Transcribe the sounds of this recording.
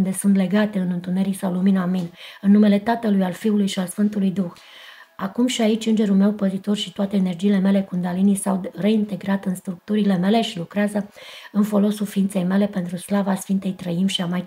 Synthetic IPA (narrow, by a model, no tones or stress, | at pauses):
nd̪e̞sunt̪le̞ɡat̪e̞ɨnɨnt̪une̞ɾisawluminaminɨnːume̞le̞t̪at̪əlujalfiulujʃialsfɨnt̪ulujd̪ux | akumʃiait͡ʃʲɨnd͡ʒe̞ɾulme̞wpəzit̪o̞rʃit̪oat̪e̞ːne̞rd͡ʒiːle̞me̞le̞kund̪alinisawre̞int̪e̞ɡɾat̪ɨnst̪ɾuk̚t̪uɾile̞me̞le̞ʃilukɾeazəɨnfo̞lo̞sulfiint̪se̞jme̞le̞pe̞nt̪ɾuslavasfint̪e̞jt̪ɾəimʃiamaj